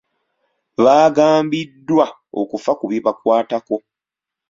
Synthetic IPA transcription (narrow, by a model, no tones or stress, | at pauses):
βaːɡaːmbidːwa | o̰kufakuβiβakwaːtako̞